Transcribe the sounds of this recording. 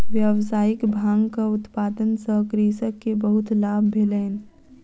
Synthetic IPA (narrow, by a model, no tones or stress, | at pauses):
ʋjawsaːɪkbʱaːŋɡkaʊt̪paːd̪ənsəkɾisəkːebəɦʊt̪laːbːʱeləːn